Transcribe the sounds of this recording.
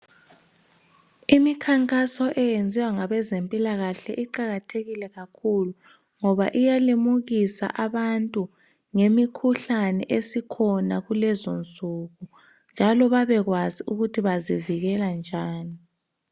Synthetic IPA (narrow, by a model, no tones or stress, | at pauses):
imikʰaŋkʼasɔʔɛjend͡zʱiwaŋaβɛzempʼilaɣaɬɛ̰ʔiǃaɣatʰeɣilɛɣakʰulu | ŋɔβaʔijalimuɣisa̰ʔaβantʼu | ŋemikʰuɬanɛʔesikʰɔnaɣulɛzont͡sʼuɣu | nd͡ʒʱalɔβaβɛɣwaziuɣutʰiβaziviɣɛland͡ʒʱaːni